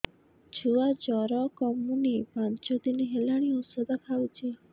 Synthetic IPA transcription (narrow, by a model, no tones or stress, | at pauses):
d͡ʒuad͡ʒɔɾɔkɔmunipãnt͡ʃod̪iniɦelaɽ̃iɔsɔd̪akʰaʋut͡ʃʰe